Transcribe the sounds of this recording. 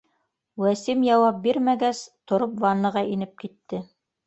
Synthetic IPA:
wæsimjɑwɑp̚biɾmæɡæst̪ŏɾopvɑnɤ̆ʁɑʔinɘp̚kit̪ːɘ

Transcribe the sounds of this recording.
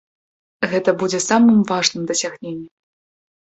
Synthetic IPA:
ɣɛt̪ɐbud͡zʲɛsamɨmvaʐnɨmd̪ɐsʲaɣnʲenʲːɛ

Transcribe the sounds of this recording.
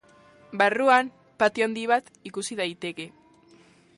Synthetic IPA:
baruam | pat̪iand̪iβ̞at̪ikusiðajt̪e̞ke̞

